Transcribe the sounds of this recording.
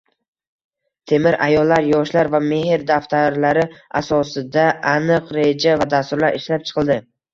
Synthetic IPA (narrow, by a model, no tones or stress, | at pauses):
t̪ʰe̞mɪɾʔajɒlːaɾjɒʃlaɾvame̞hɪɾd̪aft̪ʰaɾlaɾɪasɒsɪd̪aʔanɨqɾe̞d͡ʒavad̪ast̪ʊɾlaɾɪʃlap̚t͡ʃʰɨ̥qʰɨlˠd̪ɪ